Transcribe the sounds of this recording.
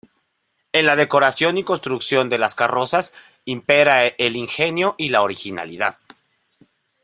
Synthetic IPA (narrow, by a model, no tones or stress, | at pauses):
e̞nlaðe̞ko̞ɾasjo̞niko̞nst̪ɾuksjo̞nd̪e̞laskaro̞sas | impe̞ɾaeliŋxe̞njo̞ʔilaoɾixina̰liðað